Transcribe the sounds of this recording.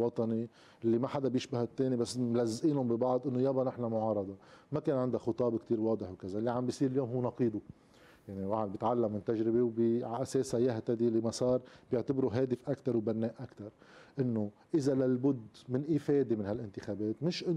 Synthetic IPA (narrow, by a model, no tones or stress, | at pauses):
wɑt̪ˤɑni | ʔɪlːimaħad̪abjɪʃbahat̪ːeːnibasːmlazːʔiːlʊmbibɑʕd̪ˤʔɪnːojabanɪħnamʊʕɑːɾˤɑd̪ˤɑmakeːnʕɪnd̪axʊt̪ˤɑːbkt̪iːɾwɑːd̪ˤɨħwkazalːiʕambjisˤiːɾɪljoːmɦuːnɑqiːd̪u | jaʕniwaʕad̪bjɪt̪ʕalːamːɪnt̪aʒɾɪbewbiʕaʔaseːsajaɦt̪ad̪ilimasˤɑːɾˤbjɪʕt̪abɾuɦeːd̪ɪfʔakt̪ɑɾˤwbanːeːʔakt̪ɑɾˤʔɪnːo | ʔɪzalalbʊd̪mɪnʔiːfeːd̪emɪnhalʔɪnt̪ɪxabeːt̪mɪʃʔɪn